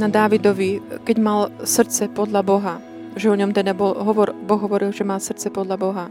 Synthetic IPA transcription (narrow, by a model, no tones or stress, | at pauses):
nad̪aːʋid̪ɔʋikɛɟmalsr̩t̪t͡sɛpɔd̪ʎabɔɦa | ʒɛɔɲɔmt̪ɛd̪abɔlɦɔʋɔɾbɔɣɦɔʋɔɾilʒɛmalsr̩t̪t͡sɛpɔd̪ʎabɔɦa